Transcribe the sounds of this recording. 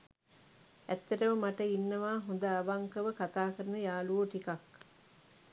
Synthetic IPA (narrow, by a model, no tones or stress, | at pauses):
æt̪ːeʈəməmaʈəinːɐʋaːɦund̪ɐːʋɐŋkɐʋəkat̪aːkəɾənəjaːluoʈikɐk